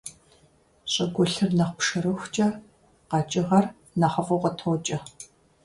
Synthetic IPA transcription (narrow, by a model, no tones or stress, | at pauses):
ɕʼɪɡʷʊɬɨrnɐχʷpʂɐɾɨxʷt͡ʃʼɐ | qɑt͡ʃʼɪʁɐr | nɐχɐfʼɐʁʷɔtʰoːt͡ʃʼɐ